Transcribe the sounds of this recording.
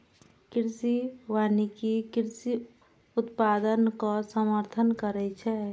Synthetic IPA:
kɪɾsiwaːnikikɪɾsi | ʊt̪paːd̪ənkasəməɾt̪ʰənkəɾɛt͡ʃʰɛ

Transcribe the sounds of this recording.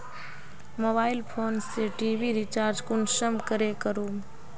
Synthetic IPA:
moːbaːɪlpʰoːnseʈiːʋiɾit͡ʃaːɾd͡ʒkʊnʃəmkəɾekəɾuː

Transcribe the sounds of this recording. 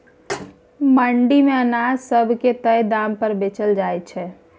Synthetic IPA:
məɳɖimẽənaːd͡ʒsəbʱket̪əjd̪aːmpəɾbeːt͡ʃəld͡ʒaːet͡ʃʰɛː

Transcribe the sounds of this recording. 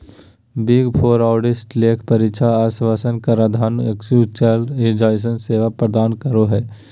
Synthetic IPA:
biɡpʰoːɾaːʈɪsʈleːkʰpɐɾɪʃʰaaːsʋaːsənkaɾad̪ʱaːneksuːt͡ʃeled͡ʒaːjs̬ənseːʋapɾəd̪aːnkəɾoɦɛː

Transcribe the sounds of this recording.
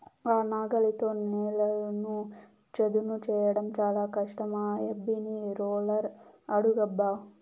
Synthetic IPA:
aːnaːɡɐlit̪oːnɛːlɐlnu | t͡ʃed̪unut͡ʃɛːjɐɽɐmt͡ʃaːlaːkɐʂʈɐmaːebːiniɾoːlɐɾɐɽuɡɐbːaː

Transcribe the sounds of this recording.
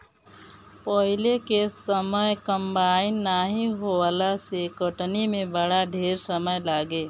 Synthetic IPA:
pəɦɪlekesəməjkə̃mbaːɪnːaːɦiɦowalasekəʈnimẽbəɽaɖʱeːɾsəməjlaːɡeː

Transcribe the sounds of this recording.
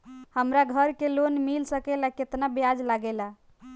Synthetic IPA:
həmɾaɡʱəɾkelonmilsəkɛlaket̪nabjad͡ʒlaɡɛla

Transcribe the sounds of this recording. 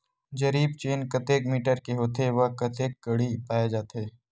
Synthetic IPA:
d͡ʒɐɾiːbt͡ʃeːnkɐt̪eːkmiːʈəɾkeɦoːt̪eʋɐkɐt̪eːkːɐɽipaːjed͡ʒaːt̪eː

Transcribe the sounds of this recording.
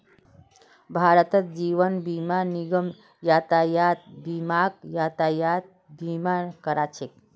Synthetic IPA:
bʱaːɾət̪ət̪d͡ʒiːʋənbimaniɡəm | jaːt̪ajat̪̚bimakjaːt̪ajat̪̚ | bimankəɾat͡ʃʰek̚

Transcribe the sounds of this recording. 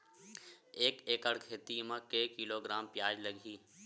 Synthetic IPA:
eːkeːkəɽkʰeːt̪imãkeːkiloːɡɾaːmpjaːd͡ʒləɡʱiː

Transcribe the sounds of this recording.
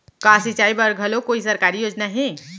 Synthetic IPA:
kasit͡ʃaibəɾɡʱəlokoisəɾkaɾijod͡ʒnaɦẽ

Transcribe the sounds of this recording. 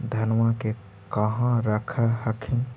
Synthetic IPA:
d̪ʱənʋake | kəɦãɾəkʰaɦəkʰin

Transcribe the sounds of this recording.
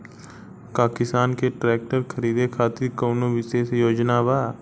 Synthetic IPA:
paːkɪst̪aːnkeʈɾɛːk̚ʈəɾkʰəɾiːd̪ekʰaːt̪ɪɾkoːnoʋɪʃeːsjoːd͡ʒnaʋaː

